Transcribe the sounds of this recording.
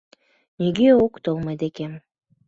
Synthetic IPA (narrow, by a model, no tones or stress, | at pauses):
neɡʲeokt̪olˠmɑjd̪ekem